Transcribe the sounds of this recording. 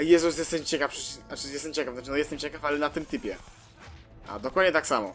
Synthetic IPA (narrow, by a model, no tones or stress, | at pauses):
jɛzus̬jɛst̪ɛt͡ɕɛkafʂɨnat͡ʂɨjɛst̪ɛmt͡ɕɛkaft̪at͡ʂɨnɔjɛst̪ɛmt͡ɕɛkafalɛnat̪ɨmt̪ɘpʲjɛ | ʔa̰d̪ɔkwad̪ɲɛt̪aksamɔ̰